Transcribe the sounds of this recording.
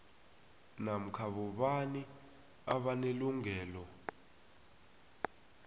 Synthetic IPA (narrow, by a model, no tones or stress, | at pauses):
nam̩kʰaɓɔɓani | aɓaneluŋʱɛːlɔ